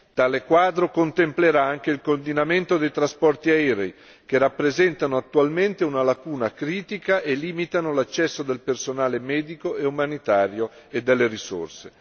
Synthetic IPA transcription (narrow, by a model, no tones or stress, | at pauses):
t̪aːlekwaːd̪ɾokont̪empleɾaaŋk̟eilkond̪inament̪od̪ejt̪ɾaspɔrt̪iaɛɾei | k̟erapːɾezɛnt̪anoat̪ːualment̪eunalakuːnakɾiːt̪ikaʔeliːmit̪anolat͡ʃːɛsːod̪elpersonaːlemɛːd̪ikoeumanit̪aːɾjo | ed̪ːelːeɾiso̰rse